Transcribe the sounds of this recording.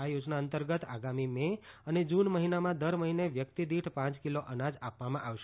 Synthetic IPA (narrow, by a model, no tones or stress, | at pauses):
ajod͡ʒnaənt̪əɾɡət̪aɡamimeəned͡ʒunməɦinamãd̪əɾməɦineʋjək̚t̪id̪iʈʰpãt͡ʃkiloʔənad͡ʒapʋamãʔaʋʃ